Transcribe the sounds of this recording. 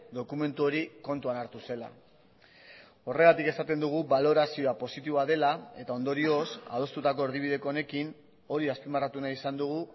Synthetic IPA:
d̪o̞kume̞nt̪uo̞ɾiko̞nt̪uanaɾt̪use̞la̰ | o̞re̞ɣ̞at̪ike̞sat̪e̞nd̪uɣ̞uβalo̞ɾasio̞apo̞sit̪iβoaðe̞lae̞t̪ao̞nd̪o̞ɾio̞sa̰ðo̞st̪ut̪ako̞eɾð̞iβ̞iðe̞koːne̞kin | o̞ɾiaspimarat̪unaisand̪uɣ̞u

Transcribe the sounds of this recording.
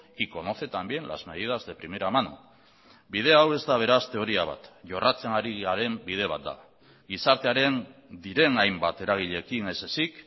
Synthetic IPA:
iko̞no̞θe̞t̪ambje̞nla̰zme̞ð̞ið̞azðe̞pɾimiɾamanṵ | bið̞e̞awe̞zd̪aβ̞e̞ɾast̪e̞o̞ɾiaβa̰t̪ʝo̞rʔat͡se̞naɾiaɾe̞mbið̞e̞β̞at̪̚d̪a̰ | ɡisaɾt̪e̞aɾe̞nd̪iɾe̞najmbat̪e̞ɾaɣ̞iʎe̞kinesesik

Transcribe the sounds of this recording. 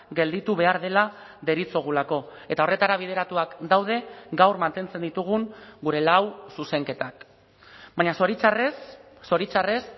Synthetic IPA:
ɡe̞ld̪it̪uβ̞e̞aɾðe̞la | ðe̞ɾit͡so̞ɣ̞ulako̞e̞t̪aore̞t̪aɾaβ̞ið̞e̞ɾat̪uakd̪awð̞e̞ɡawrmant̪e̞nt͡se̞nd̪it̪uɣ̞uŋɡuɾe̞lawsuse̞ŋke̞t̪ak | baɲasoɾrː | o̞ɾit͡sare̞s

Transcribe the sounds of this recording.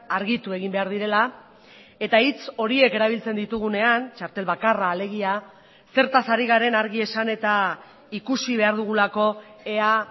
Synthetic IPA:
aɾɣit̪ue̞ɣimbe̞aɾð̞iɾe̞la | e̞t̪ait͡so̞ɾie̞ke̞ɾaβ̞ilt͡se̞nd̪it̪uɣ̞une̞ant͡ʃaɾt̪e̞lβakaraːle̞ɣ̞ia | se̞ɾt̪asaɾiɣaɾe̞naɾɣie̞sane̞t̪a | ikusiβ̞e̞aɾðuɣ̞ulako̞e̞a

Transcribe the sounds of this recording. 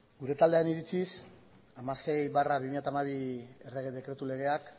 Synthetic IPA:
ɡuɾe̞t̪ald̪eaniɾit͡sis | amase̞jβaraβimiʎjat̪amaβiereɣeðe̞kɾe̞t̪ule̞ɣ̞e̞ak

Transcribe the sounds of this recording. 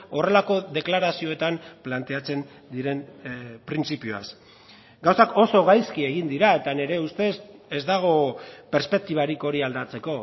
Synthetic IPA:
o̞re̞lako̞ðe̞klaɾasio̞e̞t̪amplant̪e̞at͡se̞n | d̪iɾe̞npɾint͡sipiua̰s | ɡawsako̞so̞ɣajskie̞ɣ̞ind̪iɾae̞t̪ane̞ɾe̞ust̪e̞sezd̪aɣ̞o̞pe̞ɾspe̞k̚t̪iβaɾiko̞ɾiald̪at͡se̞ko̞

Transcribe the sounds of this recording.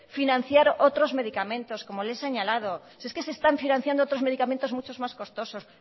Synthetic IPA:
finãn̟θjaɾot̪ɾozme̞ðikamẽ̞nt̪o̞sko̞moleseɲalað̞o | sieske̞sest̪aɱfinãnθjand̪oot̪ɾo̞zme̞ð̞ikament̪omut͡ʃo̞zmasko̞st̪o̞so̞s

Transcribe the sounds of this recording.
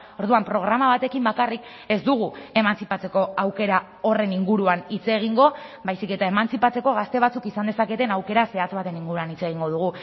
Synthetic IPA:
o̞ɾðuampɾo̞ɣ̞ɾamaβ̞at̪e̞kimbakarik | e̞zd̪uɣ̞ue̞mansipat͡se̞ko̞awke̞ɾa | o̞re̞niŋɡuɾuanit͡se̞ɣ̞iŋɡo̞βajsike̞t̪ae̞mant͡sipat͡se̞ko̞ɣ̞ast̪e̞β̞at͡sukisand̪e̞sake̞t̪e̞nawke̞ɾase̞at͡sβat̪e̞niŋɡuɾuanit͡se̞ɣ̞iŋɡo̞ð̞uɣ̞u

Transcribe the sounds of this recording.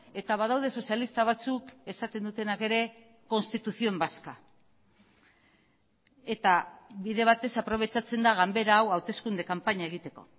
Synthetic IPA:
e̞t̪aβað̞awðe̞so̞sialist̪aβ̞at͡suke̞sat̪e̞nd̪ut̪e̞nake̞ɾe̞ | ko̞nst̪it̪uθio̞mbaska | e̞t̪aβiðe̞β̞at̪e̞sapɾo̞β̞e̞t͡sat͡se̞nd̪aɣambe̞ɾaːwawt̪e̞skund̪ekampaɲae̞ɣ̞it̪e̞ko̞̰

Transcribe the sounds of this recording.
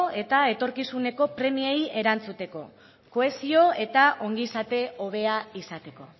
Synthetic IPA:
e̞t̪ae̞t̪o̞ɾkisune̞ko̞pɾe̞mieje̞ɾant͡sut̪e̞ko̞̰ | ko̞e̞sio̞e̞t̪aʔo̞ŋɡisat̪e̞o̞β̞e̞aisat̪e̞ko̞̰

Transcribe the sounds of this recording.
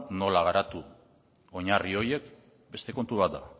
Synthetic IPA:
no̞laɣ̞aɾat̪u | o̞ɲario̞je̞k | be̞st̪e̞ko̞nt̪uβat̪̚d̪a

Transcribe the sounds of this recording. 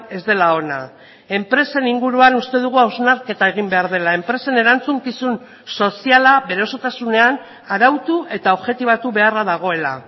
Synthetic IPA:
e̞zd̪e̞lao̞na̰ | e̞mpɾe̞se̞niŋɡuɾuanust̪e̞ð̞uɣ̞uawznaɾke̞t̪ae̞ɣ̞imbe̞aɾðe̞lae̞mpɾe̞se̞ne̞ɾant͡suŋkisun | so̞sialaβe̞ɾeoso̞t̪asune̞an | aɾawt̪uʔe̞t̪ao̞βʝe̞t̪iβ̞at̪uβe̞araðaɣ̞o̞e̞la̰

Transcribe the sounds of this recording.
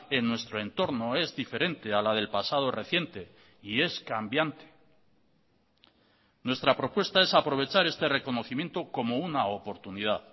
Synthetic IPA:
e̞nːwe̞st̪ɾo̞e̞nt̪o̞ɾno̞e̞zðife̞ɾe̞nt̪ealaðe̞lpasað̞o̞re̞θje̞nt̪e̞ | ie̞skambjant̪e̥ | nwe̞st̪ɾapɾo̞pwe̞st̪ae̞sapɾo̞β̞e̞t͡ʃaɾe̞st̪e̞re̞ko̞no̞θimje̞nt̪o̞ko̞mo̞unaopo̞ɾt̪unið̞að

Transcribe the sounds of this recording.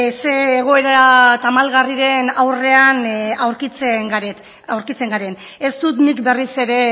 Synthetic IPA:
seːɣ̞o̞e̞ɾat̪amalɣariɾe̞nawre̞anawɾkit͡seŋɡaɾet̪ | awɾkit͡se̞ŋɡaɾe̞n | est̪ut̪mikbe̞rise̞ɾe̞

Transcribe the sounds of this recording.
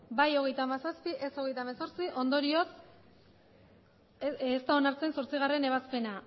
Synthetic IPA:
bajo̞ɣ̞e̞jt̪aːmasaspiʔe̞so̞ɣ̞e̞jt̪amaso̞ɾt͡siʔo̞nd̪o̞ɾio̞s | st̪ao̞naɾt͡se̞nso̞ɾt͡siɣ̞are̞ne̞β̞aspe̞na

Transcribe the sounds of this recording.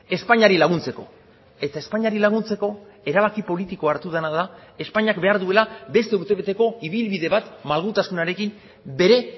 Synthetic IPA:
e̞spaɲaɾilaɣ̞unt͡se̞ko̞ | e̞t̪aespaɲaɾilaɣ̞unt͡se̞ko̞e̞ɾaβ̞akipo̞lit̪iko̞aɾt̪uð̞anaðae̞spaɲakbe̞aɾðue̞labe̞st̪e̞uɾt̪e̞βe̞t̪e̞ko̞iβ̞ilβiðe̞βat̪malɣut̪asunaɾe̞kim | be̞ɾe̞

